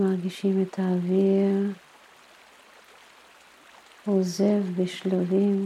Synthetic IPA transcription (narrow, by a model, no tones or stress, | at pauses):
maʁɡiʃimet̪aːvi | ozevbeʃlavim